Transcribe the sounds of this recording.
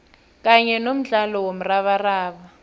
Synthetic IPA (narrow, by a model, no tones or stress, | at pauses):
k̬aɲɛnom̩ɮalɔwom̩raɓaraːɓa